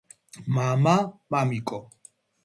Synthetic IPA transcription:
mamamamikʼɔ

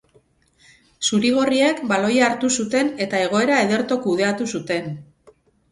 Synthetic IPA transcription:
suɾiɣ̞o̞rie̞kbalo̞jaːɾt̪usut̪e̞ne̞t̪ae̞ɣ̞o̞e̞ɾae̞ð̞e̞ɾt̪o̞kuð̞e̞at̪usut̪e̞n

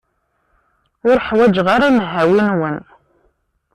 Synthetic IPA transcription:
ʊɾħwæd͡ʒʁaɾanɦæwinwən

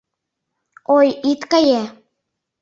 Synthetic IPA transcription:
ojit̪kɑje

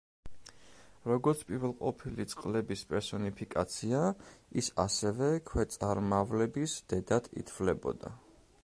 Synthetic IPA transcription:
ɾɔɡɔɾt̪sʰpʼiɾvɛlˠqʼɔpʰilit̪sʼqʼlɛbispʼɛɾsɔnipʰikʼat̪sʰiaisasɛvɛkʰwɛt̪sʼaɾmavlɛbisd̪̥ɛd̪ad̪ʰḭt̪ʰvlɛbɔ̰d̪a̰

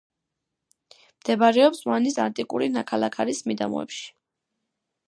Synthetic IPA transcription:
md̪̥ɛbaɾɛɔpsmanisaɾt̪ʼikʼṵɾinakʰalakʰaɾismid̪a̰muɛ̰pʃi̥

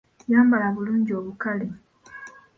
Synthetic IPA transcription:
jaːmbalaβuluːɲɟio̞ːβukale

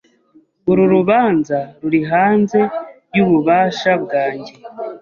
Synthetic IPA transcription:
uɾuɾuβaːnzaɾuɾiɦaːnze̞ɾjuβuβaːʃabɡaːɲɟe̞

